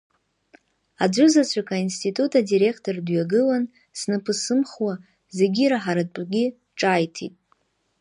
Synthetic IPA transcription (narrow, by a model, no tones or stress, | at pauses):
ad͡ʒʷʊzat͡ɕʷʰakʰainstʰitʼutʰadiɾe̞kʰtʰo̞rdɥaɡɨlan | snapʰɨsɨmχwa | ze̞ɡʲiɾaħaɾatʷʼɡʲi | ʈ͡ʂʼajtʰḭtʼ